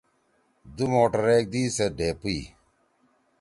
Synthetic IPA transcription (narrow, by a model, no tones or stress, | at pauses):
d̪umoːʈɐɾeːk̚d̪iːseɖeːpiiː